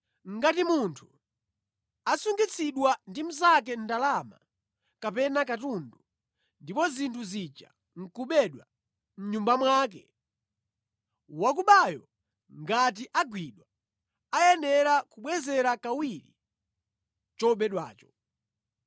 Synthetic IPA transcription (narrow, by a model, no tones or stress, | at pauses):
ŋ̩ɡatimuntʰu̥ | asuŋɡit͡sʰiɗwandim̩zak̬ɛn̩dalama̰ | kapɛnakatundu | ndipɔzintʰuzit͡ʃa̰ | ŋ̩kuɓɛɗwa | m̩ɲumbamwaːk̬ɛ | wak̬uɓajɔ | ŋɡat̬iʔaɡwiɗwa | ajɛnɛɾakuɓwɛzɛɾakawiɾḭ | t͡ʃɔɓɛɗwa̰ːt͡ʃɔ̥